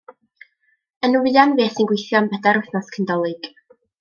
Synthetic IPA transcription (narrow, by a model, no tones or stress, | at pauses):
ənəwɪanveːθinɡwejθjɔnbɛdaɾʊθnɔskʰəndɔlˠɨɡ̥